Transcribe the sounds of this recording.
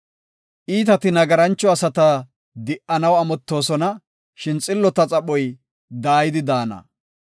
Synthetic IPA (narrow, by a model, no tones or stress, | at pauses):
ʔiːt̪ɐt̪ɪnɐɡɐɾɐnt͡ʃːɔɐsɐt̪a | d̪ɪʔɐnɐwɐmɔt̪ːo̞ːsɔnɐ | ʃɪnt͡sʼɪlːɔt̪ɐt͡sʼɐɓɔj | d̪aːjɪd̪ɪd̪aːnɐ̰